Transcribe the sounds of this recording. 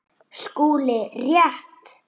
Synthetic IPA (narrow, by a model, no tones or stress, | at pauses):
skuːlɪrjaht̪